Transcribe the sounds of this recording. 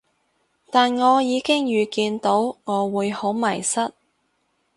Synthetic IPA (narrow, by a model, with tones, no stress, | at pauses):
t̪aː˨nŋɔː˨˧jiː˨˧kɪ˥ŋjyː˨˧kiː˧nt̪o˨˥wŋɔː˨˧wuː˨˧jho˨˥wmɐ˨˩jsɐ˥t̚